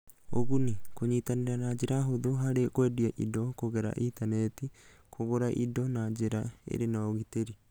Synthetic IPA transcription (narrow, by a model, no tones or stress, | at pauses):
o̰ɣunikoɲiːtaneɾanad͡ʒeɾaɦoðoɦaɾekwɛdiaʔḭdɔkoɣeɾa̰ʔintanɛti | kʰoɣoɾaʔḭdɔnad͡ʒeɾaḛɾenaɣiteɾi